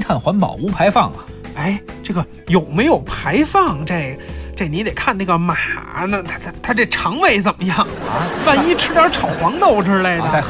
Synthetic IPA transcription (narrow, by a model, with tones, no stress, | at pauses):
t̪ʰa˥˩nxwa˧˥npɑ̰˨˩ʊu˧˥pʰa˧˥ɪfɑ˥˩ŋɐ˨˩ | e˥˩ɪʈ͡ʂɤ˥˩ɡə˩ | jo˨˩ʊme˧˥ɪjo˨˩ʊpʰa˧˥ɪfɑ˥˩ŋʈ͡ʂe˥˩ɪʈ͡ʂɪni˧˥t̪e˨˩ɪkʰa˥˧na˥˩ɡə˩ma˨˩nə˧t̪ʰa˥t̪ʰt̪ʰa˥ʈ͡ʂe˥˩ʈ͡ʂʰɑ˧˥ŋwe˥˩ɪt͡sə˨˩nmə˦jɑ˥˩ŋpa˥˩ni˥ʈ͡ʂʰɻ̩˥t̪jɑ˥ʈ͡ʂʰɑ˨˩ʊxwɑ˧˥ŋt̪o˥˧ʊʈ͡ʂ̩ʰ˥la˧˥ɪd̪ə˧